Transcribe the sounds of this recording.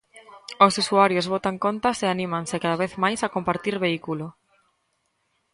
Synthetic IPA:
osusuaɾjozβot̪aŋkont̪aseanĩmãŋsɪkaðaβ̞eθmajsakompaɾt̪iɾβeikulo

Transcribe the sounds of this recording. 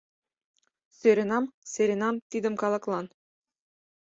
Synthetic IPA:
søɾʲĕnɑmseɾʲĕnɑmt̪id̪ɘ̆mkɑlˠɤ̆klˠɑn

